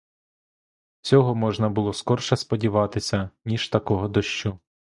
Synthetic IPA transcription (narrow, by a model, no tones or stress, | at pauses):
t͡sʲɔɦɔmɔʒnɐbʊlˠɔskɔrʃɐspɔdʲiʋɑt̪ɪsʲɐnʲiʃt̪ɐkɔɦɔd̪ɔʃt͡ʃu